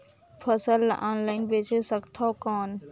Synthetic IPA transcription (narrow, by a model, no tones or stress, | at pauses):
pʰəsəla̰ːnlaɪnbet͡ʃesəkt̪ʰakɔːn